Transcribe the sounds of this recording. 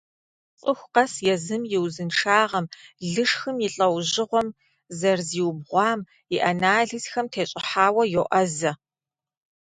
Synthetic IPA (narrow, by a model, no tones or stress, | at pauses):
t͡sʼɨxʷqɐsjɛzɨmjɪwzɨnʈ͡ʂʰaːʁɐmɮɨʂxɨmjɪɬʼɐwʑɪʁʷɔm | zɐrziːwbʁʷɑːm | jɪʔɐnaːɮisxɐmtʰeːɕʼɪħaːwɐjoʔɐzɐ